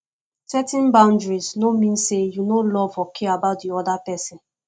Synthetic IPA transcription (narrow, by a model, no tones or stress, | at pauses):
sɛtɛ̃nbãʊ̃ndɹiznomĩnsejunolɔvɔkʰeabaʊt̚diɔdapɛsɪ̃n